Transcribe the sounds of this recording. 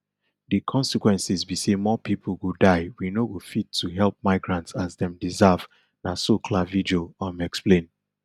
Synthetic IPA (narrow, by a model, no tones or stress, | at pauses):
dikʰɔ̃nsikwɛ̃nsizbisemɔpip̩ʰɡodaɪwinoɡofitʰːuɦɛlp̚maɪɡɹãntsazdɛ̃mdizav | nasokʰlavid͡ʒoãmɛksplẽn